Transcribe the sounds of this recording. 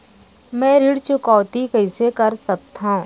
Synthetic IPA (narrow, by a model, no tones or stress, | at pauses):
mɛ̃ːɾiɽt͡ʃʊkɔːt̪ikɐɪsekɐɾsɐk̚t̪ʰaũ